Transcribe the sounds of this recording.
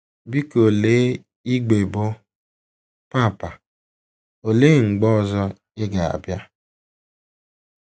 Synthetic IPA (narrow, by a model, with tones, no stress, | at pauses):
bi˦ko˨leː˦ | i˦ɡ͡be˨bo˦ | pa˦˨pa˨ | o˨le˦ŋ͡m̩˨ɡ͡bɔ˦˨zɔ˦ | ɪ˦ɡa˨a̰˨bja˦